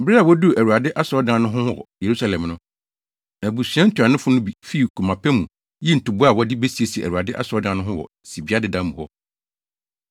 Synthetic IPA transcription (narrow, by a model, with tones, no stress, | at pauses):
bɾɛ˦a˨wɔ˦du˦˨ʔæ˨wu˨ɾa˨dɪ˦ʔa˦sɔ˦dã˨˦nʊ̃˦ɦʊ̃˦wɔ̰˨je˨ɾu˦sa˨lɛ̃˨mnʊ̃˦ | næ˨bu˨sɥɛ̃˦n̩˦tʰu˨a˨nʊ̃˦fʊ˦nʊ̃˦bi˨fi˦˨kʰu˨mã˨pʰɛ˦mũ˨ | ji˦n̩˨tu˨bu˦a˨wɔ˦dɪ˦be˦si˨e˨si˨ɛ˨ʔæ̰˨wu˨a˨dɪ˦ʔa̰˦sɔ˦dã˨˦nʊ̃˦ɦʊ̃˦wɔ̰˨ | si˨bi˦a˦dɪ˨dã˦mũ˨hɔ˦